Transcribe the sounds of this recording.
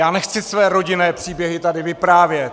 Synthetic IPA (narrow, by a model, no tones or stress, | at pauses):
jaːnɛxt͡sɪsvɛːɾo̞ɟɪnɛːpr̥iːbjɛɦɪt̪adɪvɪpɾaːvjɛt̪